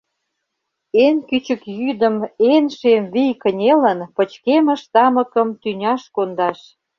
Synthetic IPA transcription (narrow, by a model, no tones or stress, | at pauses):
enkyt͡ɕə̆kjyd̪ə̆menʃemβijkə̆nʲelə̆npə̆t͡ɕkemə̆ʃt̪ɑmə̆kə̆mt̪ynʲɑʃkond̪ɑʃ